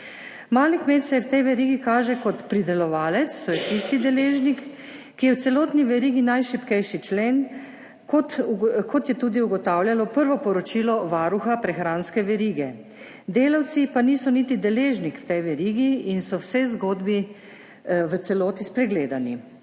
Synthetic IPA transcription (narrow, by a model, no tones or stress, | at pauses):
maːlikmeːt̪sɛwt̪ɛjʋɛɾiːɡikaːʒɛkɔt̪pɾid̪ɛlɔʋaːlɛt̪st̪oːjɛt̪ist̪id̪ɛleːʒnikː | ijɛwt̪sɛloːt̪niʋɛɾiːɡinajʃipkɛjʃit͡ʃleːn | kot̪kʰɔt̪jɛt̪uːd̪iuɡɔt̪aːwljalɔpəɾʋɔpɔɾɔt͡ʃiːlɔʋaːɾuxapɾɛxɾaːnskɛʋɛɾiːɡɛ | d̪eːlawt̪sipaniːsɔnit̪id̪ɛleːʒnikwt̪ɛjʋɛɾiːɡiːnsɔwsɛzɡoːd̪bi | ʋət̪sɛloːt̪ispɾɛɡleːd̪ani